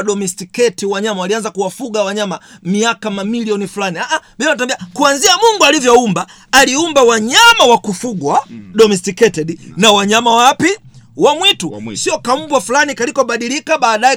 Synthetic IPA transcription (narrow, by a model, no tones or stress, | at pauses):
ɗɔmɛstikɛtiwaɲamawalianzakuwafuɡawaɲamamiakamamiliɔnifulaniaʔaɓianat̬ambiakuanziamuŋɡualivjɔumbaː | liumbawaɲamawakufuɡwaɗɔmɛstikɛtɛɗinawaɲamawapiwamwitusiɔkam̩bwafulanikalikɔɓaɗilikaɓaːɗajɛ